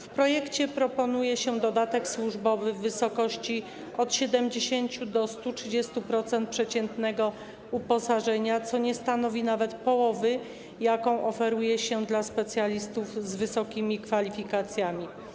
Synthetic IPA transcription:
fpɾɔjɛkt͡ɕɛpɾɔpɔnujɛɕɛd̪ɔd̪at̪ɛkswuʐbɔvɘvɘsɔkɔɕt͡ɕi | ɔt̪ɕɛd̪ɛmd͡ʑeɕeɲt͡ɕud̪ɔst̪utʂɘd͡ʑɛst̪upɾɔt̪sɛnt̪̚pʂɛt͡ɕɛnt̪nɛɡɔ | upɔsaʐɛɲat̪sɔɲɛst̪anɔvʲinavɛt̪pɔwɔvɘ | jakɔ̃w̃ʔɔfɛɾujɛɕɛd̪laspɛt̪sʲjalʲist̪uvzvɘsɔkʲimʲikfalʲifʲikat̪sʲjamʲi

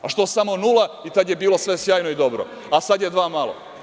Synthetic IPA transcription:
aʃt̪osamo̞nuːlˠait̪ad̪je̞biːlo̞sʋe̞sjaːjnoid̪o̞bɾo̰ | asad̪je̞d̪ʋaːmalo̰

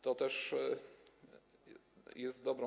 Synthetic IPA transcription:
t̪ɔt̪ɛʂ | jɛst̪̚d̪ɔbɾɔ̃

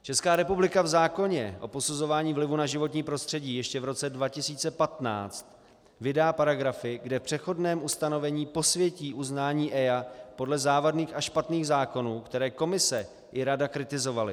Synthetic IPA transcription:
t͡ʃɛskaːɾɛpublɪkavzaːko̞ɲɛʔo̞̰po̞suzo̞vaːɲiːvlɪvunaʒɪvo̞t̪ɲiːpɾo̞st̪r̝̥ɛɟiːjɛʃcɛvɾo̞t͡sɛdvacɪsiːt͡sɛpat̪na̰ːt͡st̪ | vɪdaːpaɾaɡɾafɪɡdɛfpr̝̥ɛxo̞dnɛːmʔust̪ano̞vɛɲiːpo̞svjɛciːʔuznaːɲiːʔɛjapo̞dlɛzaːvadniːxaʃpat̪niːɣzaːko̞nuːkt̪ɛɾɛːko̞mɪsɛ | ʔɪɾadakɾɪt̪ɪzo̞valɪ̰

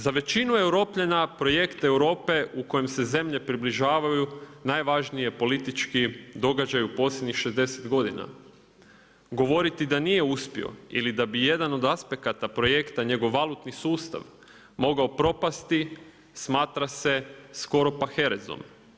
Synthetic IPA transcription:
zaʋe̞t͡ɕinue̞wɾo̞ːpʎanapɾo̞je̞kt̪e̞wɾo̞ːpe̞uko̞jemse̞ze̞mʎe̞pɾibliʒaːʋajunajʋaʒnije̞po̞lit̪it͡ʃkid̪o̞ɡad͡ʒajupo̞sjed̪ɲixʃezd̪e̞set̪ɡo̞d̪ina̰ | ɡo̞ʋo̞ɾit̪id̪anije̞uspḭo̞̰ḭlid̪abije̞d̪ano̞d̪aspe̞kat̪apɾo̞je̞kt̪aɲe̞ɡo̞ʋːalˠut̪nisuːst̪a̰ʋ | mo̞ɡaopɾo̞past̪i | smaːt̪ɾase̞sko̞ɾo̞paxe̞ɾezo̰m

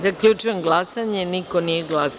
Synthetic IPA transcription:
zakʎut͡ʃujemɡlˠasaɲeniko̞nijeɡlas

